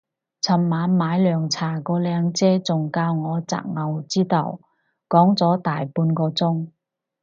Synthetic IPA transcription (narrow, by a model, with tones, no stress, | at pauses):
t͡sʰɐ˨˩mːaː˨˥nmaː˨˥jlœː˨˩ŋt͡sʰaː˨˩kɔː˧lɛː˨˧ŋt͡sɛː˥t͡sʊ˨˩ŋkaː˧wŋɔː˨˧t͡sa̰ː˨˩k̚ŋɐ˨˧wt͡siː˥t̪ɐ̰˨˩w | kɔː˨˥ŋt͡sɔː˨˥t̪aː˨jpuː˧nkɔː˧t͡sʊ˥ŋ